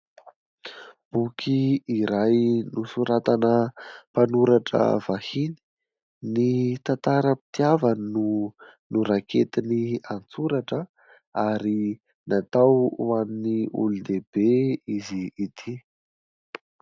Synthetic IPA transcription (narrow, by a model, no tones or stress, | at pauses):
b̥ukʰiiɾajnusuɾat̪anəpanuɾaʈ͡ʂə̰v̥ahini̥ | nit̪ant̪aɾəpi̥t̪iavannunuɾakʰet̪iniant͡suɾaʈ͡ʂə | aɾi | nat̪awanniṵlund̪eb̥eiziːt̪ʰi